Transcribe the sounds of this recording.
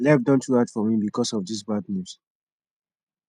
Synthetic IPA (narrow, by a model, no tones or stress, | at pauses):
lɛvdɔ̃ntʰuatfɔmĩbikɔsɔvdis̬bad̚nus